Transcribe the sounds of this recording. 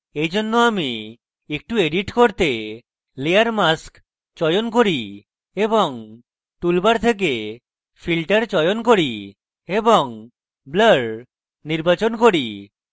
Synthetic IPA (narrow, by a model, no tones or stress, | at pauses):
ejd͡ʒonːoami | ek̚ʈueɖiʈkoɾt̪e | leaɾmask | t͡ʃɔjonkoɾi | ebɔŋ | ʈulbaɾt̪ʰek̬e | pʰilʈaɾt͡ʃɔjonkoɾi | ebɔŋ | bləɽ | niɾbat͡ʃonkoɾi